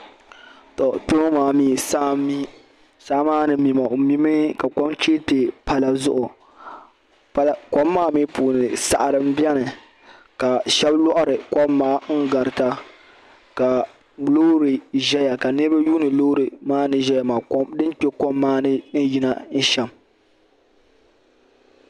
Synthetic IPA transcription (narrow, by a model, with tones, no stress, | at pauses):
to˨te˦mo˦maː˨˦miː˦sa˦mi˦ | saː˦maː˦nɨ˨mi˨ma˨o˨mi˦mɨ˦ka˨kɔ˦mt͡ʃe˦te˨pa˦la˨zʊ˦ʔʊ˨ | pa˦lkɔ˦mːaː˦mi˦puː˨nɨ˨sa˨ʔa˨ɾɨ˦m˦bɛ˦nɨ˨ | ka˨ʃɛ˦blɔ˦ʔʊ˦ɾɨ˨kɔ˦mːaː˦ŋ̩˦ɡa˨ɾɨ˨ta˦ | ka˨ | bloː˦ɾi˨ʒɛ˦ja˨ka˨nɨ˦ɾɨ˦ba˦juː˦nɨ˨loː˦ɾɨ˨maː˦nɨ˨ʒɛ˦ja˨maː˨kɔ˦mdɨ˦nk͡pe˦kɔ˦mːaː˦nɨ˦n̩˦ji˦na˦n̩˦ʃɛ˨m